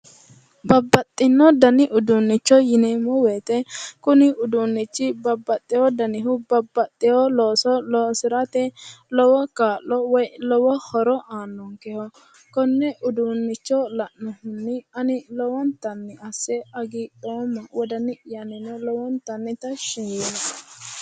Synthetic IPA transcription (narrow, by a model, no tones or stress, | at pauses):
bɐbːɐt̪ʼːɪnːɔd̪ɐnɪʔʊd̪unːɪt͡ʃːɔjɪnɛmʊwɛːt̪ɛkʊnɪʊd̪unːɪt͡ʃːɪbɐbːɐt̪ʼːɪhɔd̪ɐnɪɦʊbɐbːɐt̪ʼːɪhɔloːsɔlɔːsɪɾɐt̪ɛlɔwɔkaːlːɔwɔjlɔwɔhɔɾɔʔaːnːɔŋkɛhɔ | kɔnːɛʔʊd̪unːɪt͡ʃːɔlɐʔnɔhʊnːɪɐnɪlɔwɔnt̪ɐnːɛɐsːɛɐɡɪᶑoːmːɐwɔd̪ɐnɪʔjɐnɪnɛlɔwɔnt̪ɐnːɪt̪ɐʃɪjiːnɐ